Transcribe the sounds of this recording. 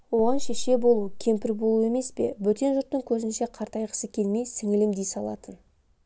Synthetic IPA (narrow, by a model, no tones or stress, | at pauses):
wo̞ʁɑnʃeʃe̞bo̞lˠukʲʰe̞mpɪɾbo̞lˠue̞me̞spe̞̰bɵt̪e̞nʒʊɾt̪ːəŋkʲʰɵzɪnʃe̞qʰɑɾt̪ɑjqə̥səkʲʰe̞lme̞jsɪŋɪlɪmd̪ejsɑlˠɑ̰t̪ən